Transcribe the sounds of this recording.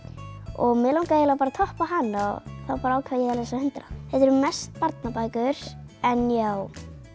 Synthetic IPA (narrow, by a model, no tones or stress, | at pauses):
ɔ̰ɣmɛːlawŋkajɛlapaːɾat̪ʰɔhpaɦanːaɣθawpaːɾaaːwkʰvaːjɛðalɛsahʏnt̪ɾa̰θɛt̪ɛɾmɛst̪paɾt̪napajkʏɾ̥ɛnjaw